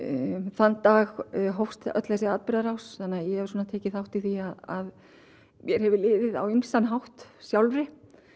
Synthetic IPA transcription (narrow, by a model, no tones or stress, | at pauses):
θanːt̪ːaːɣɦowst̪œ̰t̪lɛsɪaːt̪̚pɪɾðaɾawsθanːajɛhɛvsuːnat̪ʰɛːcɪθawht̪iθiaðað | mjɛɾ̥hɛvɪlɪːvɪða̰wimst̪anɦawht̪sjawlɾɪ